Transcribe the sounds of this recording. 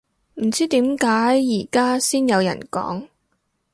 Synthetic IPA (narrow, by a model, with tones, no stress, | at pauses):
m̩˨˩t͡siː˥t̪iː˨˥mkaː˨˥jːiː˨˩kaː˥siː˥njɐ˨˧wjɐ̰˨˩nkɔ̰ː˨˥ŋ